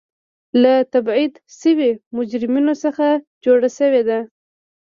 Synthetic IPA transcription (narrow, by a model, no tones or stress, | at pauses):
lat̪abʕid̪səwemʊd͡ʒɾɪminosəxa | d͡ʒoɽaʃəwed̪a